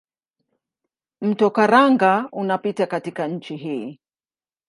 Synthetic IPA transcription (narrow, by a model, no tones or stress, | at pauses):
m̩tɔkaɾaŋɡaunapitakatikaɲ̩t͡ʃiɦiː